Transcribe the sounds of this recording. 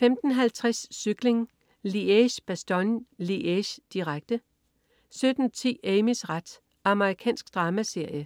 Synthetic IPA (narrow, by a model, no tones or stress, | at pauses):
femd̥n̩ɦælt͡sʰʁɛsːyɡ̥le̝ŋ | lieɕb̥æsd̥ɒnliʔeɕd̥iʁaɡ̥̚d̥ə | sød̥n̩t͡sʰḭːeɪmisʁad̥ | ɑ̈məʁikʰɛ̰ːnsɡ̥d̥ʁɑ̈ːmæse̝ɐ̰jə